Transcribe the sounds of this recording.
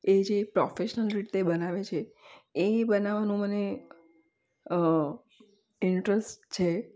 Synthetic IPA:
ed͡ʒepɾɔfeʃnəlɾit̪ebənaʋet͡ʃʰeː | bənaʋanũməne | ə | ɪɳʈɾəsʈt͡ʃʰe

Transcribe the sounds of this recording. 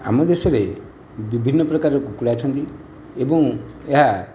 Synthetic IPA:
a̰mɔd̪esɔɾe | bibʱinːɔpɾɔkaɾɔkukuɽat͡ʃʰɔnt̪i | ebɔ̃ŋeɦa

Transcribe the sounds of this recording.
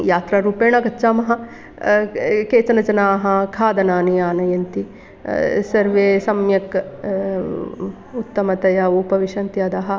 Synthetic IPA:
jaːt̪ɾaɾuːpeːɳɐɡɐtːʃaːmɐɦɐ̆ | keːt͡ʃɐnɐd͡ʒɐnaːɦɐkʰaːd̪ɐnaːnijaːnɐjɐnt̪i | sɐɾʋeːsɐmjɐk | ut̪ːɐmɐt̪ɐjɐuːpɐʋiʃɐnt̪jɐd̪aːɦɐ̆

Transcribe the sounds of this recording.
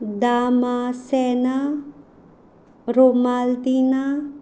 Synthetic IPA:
d̪aːmasɛna | ɾomald̪ina

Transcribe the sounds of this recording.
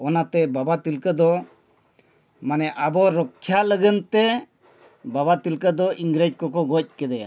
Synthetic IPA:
ɔnat̪ɛbabat̪ilkəd̪ɔ | manɛʔabɔɾɔkʰːjaləɡənt̪ɛ | babat̪ilkəd̪ɔʔiŋɡɾed͡ʒkɔkɔɡɔc̚kɛd̪ɛja̰

